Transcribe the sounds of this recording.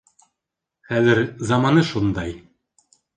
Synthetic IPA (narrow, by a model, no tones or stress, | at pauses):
χæðɘɾzɑmɑnɤʃund̪ɑj